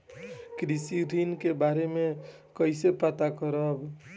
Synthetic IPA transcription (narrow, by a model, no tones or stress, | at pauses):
kɾisiɾinkebaɾeme | kəɪsepat̪akəɾəb